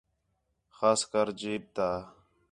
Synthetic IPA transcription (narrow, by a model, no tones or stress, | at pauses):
xaːskəɾd͡ʒiːb̚t̪aː